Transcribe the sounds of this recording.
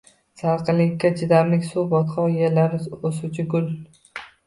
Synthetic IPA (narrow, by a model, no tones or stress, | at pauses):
saɾqʰɨlɪkʲːat͡ʃʰɪd̪amlɪkʲsubɒt̪qʰɒjelaɾɪosʊt͡ʃʰɪɡʊl